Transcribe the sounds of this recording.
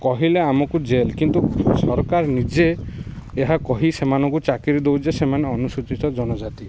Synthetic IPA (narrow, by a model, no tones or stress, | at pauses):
kɔɦileamɔkud͡ʒelkint̪usɔɾkaɾnid͡ʒeː | ɦakɔɦisemanɔ̃ŋkut͡ʃakiɾid̪ewd͡ʒesemaneɔnusut͡ʃit̪ɔd͡ʒɔnɔd͡ʒat̪i